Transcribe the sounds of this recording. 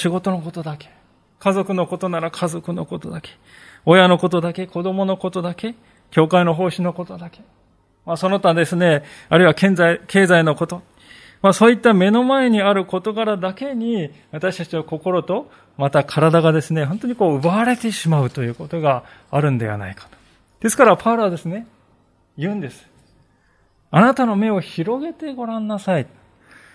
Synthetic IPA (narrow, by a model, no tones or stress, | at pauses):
ɕiɡo̞t̪o̞no̞ko̞t̪o̞d̪ake̥ | kazo̞kɯ̟no̞ko̞t̪o̞naɾakʰazo̞kɯ̟no̞̰ko̞t̪o̞d̪ake̥o̞jano̞ko̞t̪o̞d̪ake̞ko̞d̪o̞mo̞no̞ko̞t̪o̞d̪ake̞ | kʲo̞ːkaino̞ɦo̞ːɕinoko̞t̪o̞d̪ake̞̥ | maso̞no̞t̪ãd̪e̞sɨne̞aɾɯ̟iβakẽ̞nzaikʰe̞ːzaino̞ko̞t̪o̞ | masoːit̪ːame̞no̞mae̞ɲ̟iaɾɯ̟ko̞t̪o̞ɡaɾad̪ake̞ɲ̟i | βat̪aɕi̥t̪at͡ɕiako̞ko̞ɾo̞t̪o̞ | mat̪akʰaɾad̪aɡad̪e̞sɨne̞ɦo̞nt̪o̞ɲ̟iko̞ːɯ̟baaɾe̞t̪e̞ɕimaɯ̟t̪o̞jɯ̟ːko̞t̪o̞ɡaːɾɯ̟̃nd̪e̞̰βa̰na̰ikḁt̪o̥ | d̪̥e̞sɨ̥kaɾapʰaɾaβad̪e̞sɨne̞ | jɯ̟̃ːnd̪e̞sɨ̥ | anat̪ano̞me̞o̞çiɾo̞ɡe̞t̪e̞ɡo̞ɾãnːasait̪